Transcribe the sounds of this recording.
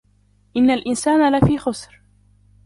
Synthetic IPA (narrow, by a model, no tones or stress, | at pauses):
ʔɪnːalʔɪnsaːnalafiːxʊsɾ